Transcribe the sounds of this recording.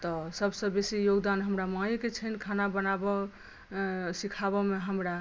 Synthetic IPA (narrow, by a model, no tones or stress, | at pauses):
t̪ɔsəbsə̃besijoɡd̪anɦəmɾamãjket͡ʃʰənkʰanabənabɔ | sikʰaβɔmeɦəmɾa